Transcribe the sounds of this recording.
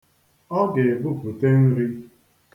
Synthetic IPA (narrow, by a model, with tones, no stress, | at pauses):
ɔ˦ɡe˨bʊ˦pu˨te˦n̩˦ɾi˦ | k